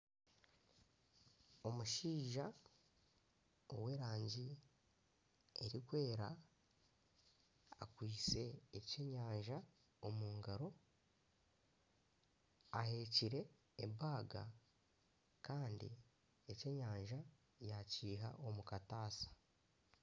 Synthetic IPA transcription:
o̞muʃiːʒa | owe̞ːɾaːɲɟi | eɾikwe̞ːɾa | a̰kwiːt͡se̞ːce̞ɲaːɲʒa | omuːŋɡaɾo̞ | ahe̞ːciɾe̞ː | baːɡa̰ | kaːndḭ | ece̞ɲaːɲʒa | jaciːɦa̰ʔo̞mukataːsḁ

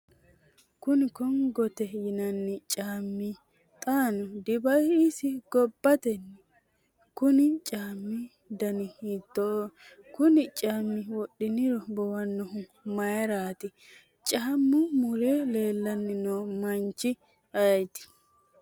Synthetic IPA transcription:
kʊnɪkɔŋɡɔt̪ɛjɪnɐnːɪt͡ʃʼaːmːi | t̪ʼaːnʊd̪ɪbɐjɪsɪɡɔbːɐt̪ɛnː | kʊnɪt͡ʃʼaːmːɪ | d̪ɐnɪɪt̪ːɔ | kʊnɪt͡ʃʼaːmːɪwɔɗɪnɪɾɔbɔwɐnːɔɦʊmɐɛɾaːt̪ɪ | t͡ʃʼaːmːʊmʊɾeːleːlːɐnːɪnoːmɐnt͡ʃːɪ | ɐjt̪ɪ̥

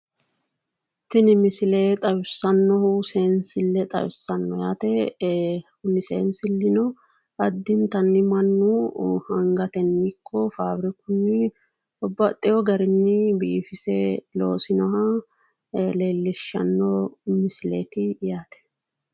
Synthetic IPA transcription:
t̪ːɪnɪmɪsɪleːt̪ʼɐwɪsːɐnːɔhʊseːnsɪlːɛt̪ʼɐ̰wɪsːɐnːɔjaːt̪ɛ | hʊnːɪsḛːnsɪlːɪnɔ | ɐd̪ːɪnt̪ɐnːɪmɐnːuhɐŋɡɐt̪ɛnːikʰːɔfaːbɾɪkʊnːɪ | ɔbːɐt̪ʼːɛjɔɡɐɾɪnːɪbiːfɪsɛlo̰ːsɪnɔɦɐ | leːlːɪʃːɐ̰nːɔmɪsɪlḛːt̪ɪjaːt̪ɛ̥

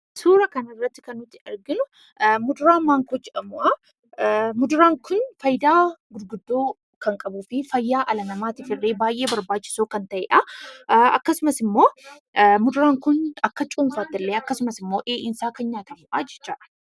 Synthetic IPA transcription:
suːɾɐkɐnɪrːɐt̪ːɪ̥kɐnːʊt̪ːɪɐɾɡɪnʊ | mʊd̪ʊɾaːmaːŋkoːd͡ʒɛᶑɐmʊʔɐ | mʊd̪ʊɾaːŋkʊnfɐjd̪aːɡʊɾɡʊd̪ːoː | kɐŋkʼɐbuːfɪfɐjːaːʔɐlɐnɐmaːt̪ɪfɪrːeːbaːjʔe̞ːbɐɾbaːt͡ʃːɪ̥soːkɐnt̪ɐʔḛːᶑɐ | ɐ̰kːɐsʊmɐsɪmːo̞ː | mʊd̪ʊɾaːŋkʊnɐkːɐt͡ʃʼuːmfaːt̪ːɪlːeːɐkːɐsʊmɐsɪmːo̞ːʔeːʔɪnsaːkɐnɲaːt̪ɐmʊʔɐd͡ʒɛ̥t͡ʃːaːɐ̥

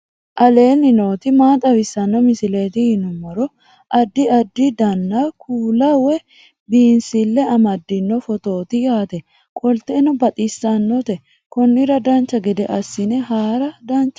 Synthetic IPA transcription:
ʔɐle̞ːnːɪno̞ːt̪ɪmaːt̪ʼɐwɪsːɐnːɔmɪsɪle̞ːt̪ɪhɪnʊmːɔɾɔ | ʔɐd̪ːɪɐd̪ːɪd̪ɐnːakʰuːlɐwɛ | biːnsɪlːɛɐmɐd̪ːɪnːɔfɔt̪o̞ːt̪ɪjaːt̪ɛ | kʼɔlt̪enɔbɐt̪ʼɪsːɐnːɔt̪ɛ | kɔnːɪɾɐd̪ɐnt͡ʃːɐɡɛd̪ɛʔɐsːɪnɛɦaːɾɐd̪ɐnt͡ʃːɐ

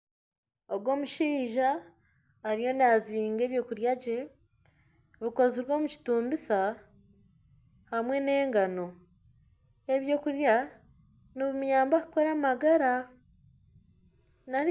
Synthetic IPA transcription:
oɡwo̞ːmuʃiːʒaː | ɾijo̞naziːŋɡe̞ːβjo̞ːkuɾjaɟe̞ | βuko̞ziɾwo̞ːmuci̥tuːmbisa | hamwe̞ne̞ːŋɡano̞ | eβjo̞ːkuɾja | niβumuɲaːmbaku̥ko̞ɾamaɡaɾa | na

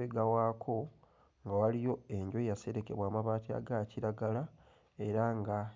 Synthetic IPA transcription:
eɡawaːkʰo̞ | ŋɡawalijo̞e̞ɲɟo̞jase̞ɾe̞ke̞̰βwaːmaβaːtia̰ɡaciɾaɡala | e̞ɾaŋɡa

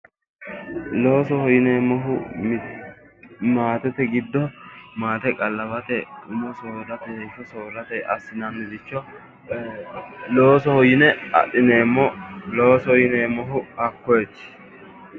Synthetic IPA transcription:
loːsɔhɔjɪneːmɔɦʊm | maːt̪ɛt̪ɛɡɪd̪ːɔmaːt̪ɛkʼɐlːɐbɐt̪ɛʊmɔsoːɾɐt̪ɛhɛfɔsoːɾɐt̪ɛjɐsːɪnɐnːɪd̪ɪt͡ʃːɔ | lo̞ːsɔhɔjɪnɛɐ̰ɗɪneːmːɔloːsɔjɪneːmɔɦʊɐkːɔjt͡ʃː

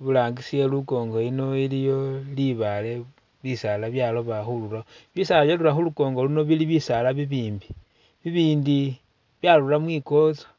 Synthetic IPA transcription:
βulaːŋɡisieluko̞ːŋɡo̞ino̞ilijo̞liβale̞ | βisalaβjalo̞βaxululaβisalaβjalulaxuluko̞ːŋɡo̞luno̞βiliβisalaβiβiːmbi | βiβiːndi | βjalulamwiːko̞t͡sḁ

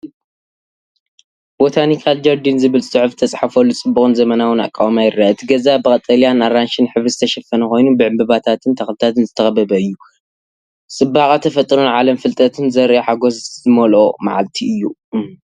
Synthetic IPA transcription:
b̥ot̪ʰanikʰald͡ʒɐɾd̪inzɨβɨlsʼɨʕɨft̪ʰɐt͡sʼħafolːut͡sʼɨbːuxʼɨnzɐmɐnawɨna̰kʼawamajɪɾːaɨt̪ʰiɡɐzabɨkʼɐt̪ʼɐljanaɾanʃɪnħɨβɾɨzɨt̪ʰɐʃɐfɐnɐko̞jnubɨʕɨmbɨβat̪ʰat̪ʰɨnt̪ʰɐxlɨt̪ʰat̪ɨnzɨt̪ʰɐxɐbɐbɐɨjːu | sʼɨbːaxʼat̪ʰɐfɐt̪ʼːɾunʕalɐmfɨlt̪ʼɐt̪ʰɨnzɐɾħaɡoszɨmɐlʔo̞ma̰ʕa̰lt̪ʰiʔɨjːu

